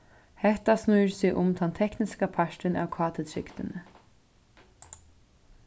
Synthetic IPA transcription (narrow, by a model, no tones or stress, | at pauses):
hɛht̪asnuːɾsɪʔʊmt̪ʰɛnt̪ʰɛknɪskapʰaʂʈɪnæ̰wkʰɑːt̪ʰɪt̪ʰɾɪ̰kt̪ɪnə